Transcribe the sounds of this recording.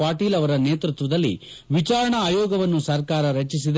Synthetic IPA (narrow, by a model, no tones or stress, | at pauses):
aːɾʈiːlɐʋɐɾɐneːt̪ɾut̪ʋɐd̪ɐlːḭ | ʋit͡ʃaːɾɐɳɐaːjɔːɡɐʋɐnːusɐɾkaːɾɐɾɐt͡ʃis̬id̪